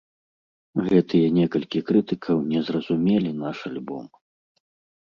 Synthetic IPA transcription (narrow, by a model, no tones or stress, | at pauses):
ɣɛt̪ɨjɛnʲɛkɐlʲkʲikɾɨt̪ɨkʰɐwnʲɛzrɐzumʲɛlʲinaʂalʲbɔ̰m